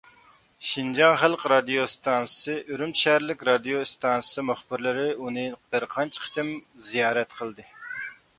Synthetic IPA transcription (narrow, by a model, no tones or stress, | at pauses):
ʃind͡ʒɑŋχælˠqɾɑd̪ijost̪ʰɑnsɨ̥sɨʔøɾymʃɛɾlɪkʲɾɑd̪ijost̪ʰɑnsɨ̥sɨmʊχbɪɾlɪɾɪunɨb̥ɨɾqʰɑnt͡ʃʰqʰə̥t̪ɪmzijɑːɾɛt̪qʰəlˠd̪ɨ